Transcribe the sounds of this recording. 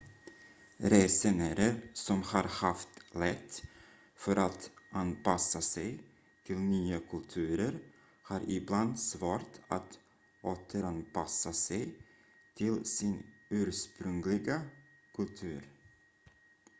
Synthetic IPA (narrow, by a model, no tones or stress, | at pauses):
ɾeːsɛnæɾəɾsɔmhɑɾhaft̪lɛt̪ː | fœɾʔat̪ʔanpasːasɛj | t̪ʰɪlnyːakʰɵlt̪ʰʉ̟ːɾəɾ | hɑːɾʔɪbland̪svɑːɾt̪ʰat̪ | ʔoːt̪ʰəɾanpʰasːasɛj | t̪ʰɪlsɪnʉ̟ːɾʂpɾɵŋlɪɡa | kʰɵlt̪ʰʉ̟ːɾ